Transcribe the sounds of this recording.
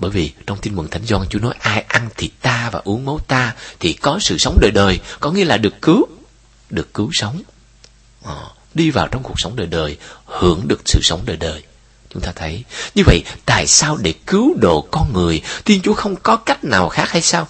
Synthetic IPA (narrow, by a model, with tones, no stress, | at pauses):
ɓəː˧˩jvi˨˩t͡ɕɔ˧wŋ͡mt̪i˧nmɨ˨˩ŋt̪ʰa˨˦jŋ̟zwɔː˧nt͡ɕu˨˦nɔ˨˦jʔaː˧jʔa˧nt̪ʰi˨˩t̪aː˧vaː˨˩ʔu˨˦əŋmə˨˦wt̪aː˧t̪ʰi˨˩kɔ˨˦sɨ̰˧˨sə˨˦wŋ͡mɗəː˨˩jɗəː˨˩jkɔ˨˦ŋi˧əlaː˨˩ɗɨ˨˩əkːɨ˨˦w | ɗɨ˨˩əkːɨ˨˦wsə˨˦wŋ͡m | ʔ | ɗi˧vaː˨˩wt͡ɕɔ˧wŋ͡mku˨˩k̚sə˨˦wŋ͡mɗəː˨˩jɗəː˨˩jhɨ̰˧˩˥əŋɗɨ˨˩ək̚sɨ̰˧˨sə˨˦wŋ͡mɗəː˨˩jɗəː˨˩j | t͡ɕʊ˨˦ŋ͡mt̪aː˧t̪ʰə˨˦jɲɨ˧və̰˧˨jt̪a̰ː˧˨jsaː˧wɗe˧˩kɨ˨˦wɗo̰˧˨kɔ˧nŋɨ˨˩əjt̪ʰi˧nt͡ɕu˨˦əxə˧wŋ͡mkɔ˨˦ka˦˥jk̟̚naː˨˩wxaː˦˥k̚ha˧jsaː˧w